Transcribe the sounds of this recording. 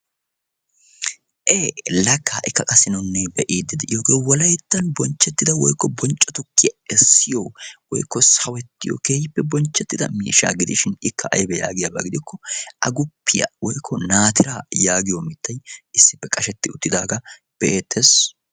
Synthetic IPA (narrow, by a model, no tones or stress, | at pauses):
ʔeːlɐkʰːaːʔɪkːɐkʼɐsːɪnnːɛbɛʔiːd̪ːɪd̪ɛʔjoːɡeːwɔlɐjt̪ːɐnbɔnt͡ʃːɛt̪ːɪd̪ɐwɔ̰jkːɔbɔnt͡ʃʼːɔt̪ʊkːɪjɐɛsːɪjoːwɔ̰jkːɔsɐwɛt̪ːɪjo̰keːjɪpːɛbɔnt͡ʃːɛt̪ːɪd̪ɐ̰mḭːʃa̰ːɡɪd̪ɪʃɪnɪkʰːɐʔɐ̰jbɛja̰ːɡɪjɐbɐɡɪd̪ɪkːɔʔɐ̰ɡʊpːɪjɐ̰wɔjkʰːɔnaːt̪ɪɾaːjaːɡɪjomɪt̪ːɐjɪsːɪpːɛkʼɐʃɛt̪ːɪʊt̪ːɪd̪aːɡɐ | b̥ɛʔeːt̪ʰːes